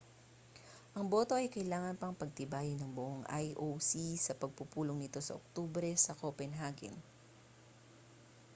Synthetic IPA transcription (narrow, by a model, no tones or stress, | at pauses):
ʔɐŋbo̞ːt̪o̞ʔɐjkɐʔɪlaːŋɐnpɐŋpɐɡ̚t̪ɪbaːjɪnɐŋbʊʔoŋʔajʔowsisɐpɐɡ̚pupuːloŋnɪt̪o̞sɐ̰ʔo̰k̚t̪ubɾɛsɐkopɛnɦaːɡɛ̰n